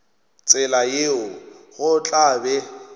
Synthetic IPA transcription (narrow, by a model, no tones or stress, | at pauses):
t͡sʼɪlajeʊɣʊt͡ɬʼaːbɛ